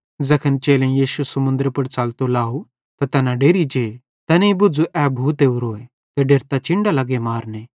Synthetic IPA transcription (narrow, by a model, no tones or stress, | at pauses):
d͡zɐkʰənt͡ʃeːlẽjiːʃusɐmʊ̃nd̪əɾpɐɽt͡saːlt̪olaːu | t̪at̪ɛːnãɖeːɾid͡ʒeː | t̪ɛːneĩbʊd͡zuʔɛbʱuːt̪eːuɾoːe | t̪eɖeːɾt̪at͡ʃɪ̃ɳɖalɐɡemaːɾneː